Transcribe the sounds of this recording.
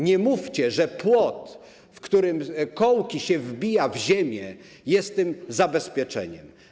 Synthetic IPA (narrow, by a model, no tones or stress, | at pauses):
ɲɛmuft͡ɕɛʐɛpwɔt̪ | fkt̪uɾɘmkɔwkʲiɕɛvbʲijavʑemʲjɛ | jɛst̪ːɘmzabɛspʲjɛt͡ʂɛ̰ɲɛ̰m